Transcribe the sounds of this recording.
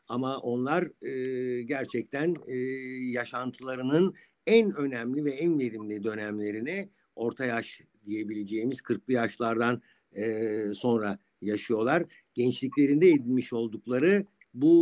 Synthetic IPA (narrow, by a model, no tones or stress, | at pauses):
amaʔo̞nlˠaɾɯːɟæɾt͡ʃʰɛc̚t̪ʰænː | jaʃant̪ʰɯlˠaɾɯnɯn | ænø̞næmlʲivɛænve̞ɾimlʲid̪ø̞nɛmlʲe̞ɾini | o̞ɾt̪ʰajaʃ | d̪ije̞bilʲe̞d͡ʒe̞ːimiz̥kʰɯɾklˠɯjaʃlˠaɾd̪an | ɯːso̞nɾa | jaʃɯjo̞lˠaɾ | ɟ̥ɛnt͡ʃlʲiclʲe̞ɾind̪ɛed̪ilʲmiʃo̞lˠd̪uklˠaɾɯ | bu